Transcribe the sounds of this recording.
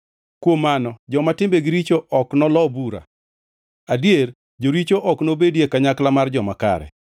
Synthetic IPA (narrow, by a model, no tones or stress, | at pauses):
kwomːanɔd͡ʒɔmatɪmbeɡɪɾit͡ʃoʔɔknɔlɔbuɾa̰ | adjer | d͡ʒoɾit͡ʃoʔɔknobedjekaɲaklamard͡ʒɔmaka̰ɾɛ̰